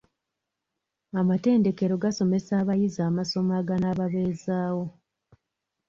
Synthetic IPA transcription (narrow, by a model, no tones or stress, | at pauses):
amate̞ːnde̞ke̞ɾo̞ɡaso̞me̞saːβajizaːmaso̞maːɡanaːβaβe̞ːzaːwo̞